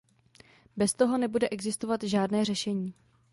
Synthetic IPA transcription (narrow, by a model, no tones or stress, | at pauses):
bɛst̪o̞ɦo̞nɛbudɛʔɛɡzɪst̪ovat̪ʒaːdnɛːr̝ɛʃɛɲiː